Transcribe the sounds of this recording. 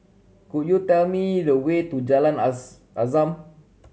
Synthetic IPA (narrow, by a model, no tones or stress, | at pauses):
kujut̪ɛlmĩdəwet̪ud͡ʒalan | ʔazam